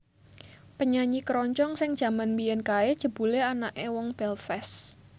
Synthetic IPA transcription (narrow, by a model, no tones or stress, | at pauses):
pəɲaɲikɾɔɲt͡ʃɔŋsɪŋ̥ʒ̥ä̤manmbijɛnkaed̥ʒ̥ə̤b̥uleanaʔewɔŋb̥ɛlfɛs